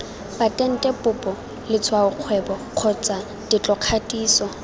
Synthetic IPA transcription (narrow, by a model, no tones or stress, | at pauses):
batʼɛn̩tʼɛpʼʊpʼɔ | lɪt͡sʰwaʊq͡χʰwɛbɔq͡χʰɔt͡sʼa | dɪt͡ɬʼɔq͡χʰatʼiːsɔ